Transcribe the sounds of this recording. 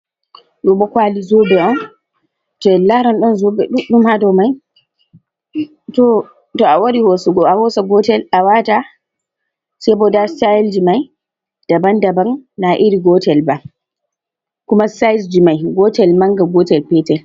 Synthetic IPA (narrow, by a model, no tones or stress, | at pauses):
ɗɔbɔkʷaːlizoːbɛʔɔn | tɔɛlaɾɔnɗɔnzobɛɗɗʊmhadawmaj | tɔ | tɔawɐɾihosuɡɔahoːsaɡɔtɛlawata | saboːdasaɛld͡ʒimaj | d̥ɐbandɐbannaʔiɾiɡɔːtɛlba | kʊmasajsd͡ʒimajɡɔːtɛlmaŋɡaɡɔːtɛlpɛːtɛl